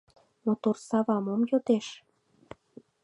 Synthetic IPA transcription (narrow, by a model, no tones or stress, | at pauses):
mot̪orsɑβɑmomjot̪eʃ